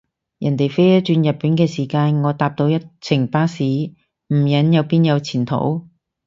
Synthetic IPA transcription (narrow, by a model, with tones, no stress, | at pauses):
jʔɐ˨˩nt̪e˨jfe˥jjɐ˥t̚t͡ʃyː˧njɐ˨t̚pːiː˨˥nkɛː˧siː˨˩kaː˧nŋɔː˨˧t̪aː˨˧p̚t̪o˧wjɐ˥t̚t͡sʰɪ˨˩ŋpaː˥siː˨˥ | m̩˨˩jɐ˨˥njɐ˨˧wpiː˥njɐ˨˧wt͡sʰiː˨˩nt̪ʰo̰˨˥w